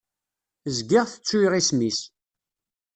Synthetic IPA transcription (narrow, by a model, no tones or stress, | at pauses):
əzɡɪʁθət͡sːʊjʁismis